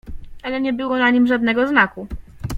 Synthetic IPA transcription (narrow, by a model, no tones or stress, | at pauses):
ʔalɛɲɛbɘwɔnaɲimʐad̪nɛɡɔznaku